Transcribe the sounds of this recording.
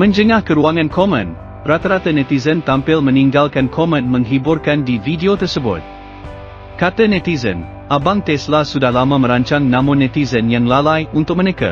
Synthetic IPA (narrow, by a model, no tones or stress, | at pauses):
mə̃nd͡ʒəŋahkəɾuaŋãnkʰɔmə̰̃n | rat̪aɾat̪ənɛt̪izənt̪ampɪlmə̃niŋɡalkankʰɔmə̃nmə̃ŋɦibʊrkandividiot̪ərsəbʊ̰t̪̚ | kat̪ənɛt̪izə̰̃n | ʔabaŋt̪ɛslasudahlamamə̃ɾaɲt͡ʃaŋnãmonɛt̪izənjaŋlalajunt̪ʊk̚mənɛka̰